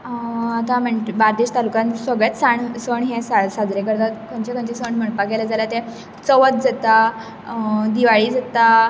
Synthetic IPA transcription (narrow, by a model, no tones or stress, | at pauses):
at̪ãm̤əɳʈbaɾd̪iɕt̪alukãnsəɡɭet̪saɳsəɳɦẽsasad͡zɾekəɾd̪akʰənt͡ɕakõnt͡ɕisəɳm̤əɳpaɡeləd͡zalat̪ẽ | t͡səʋət̪̚d͡zat̪a | d̪iʋaɭiːd͡zat̪a